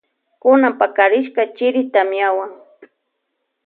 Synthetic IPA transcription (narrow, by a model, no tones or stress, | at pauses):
kʊnampakaɾɪʃkat͡ʃɪɾɪt̪amjawaŋ